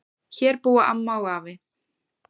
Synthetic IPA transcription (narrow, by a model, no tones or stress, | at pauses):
çɛɾpuːaʔa̰mːawɣaːvɪ